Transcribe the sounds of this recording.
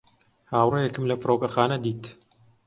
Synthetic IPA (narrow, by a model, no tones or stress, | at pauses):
haːwrejɛkɨmlɐfɨɾoːkɐxaːnɐd̪iːt̪